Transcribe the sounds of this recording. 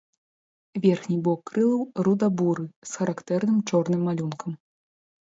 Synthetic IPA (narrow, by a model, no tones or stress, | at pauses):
vʲɛrxnʲibɔkːɾɨlˠɐwrud̪abuɾɨsxɐɾakt̪ɛrnɨmt͡ʂɔrnɨmːalʲunkʰɐm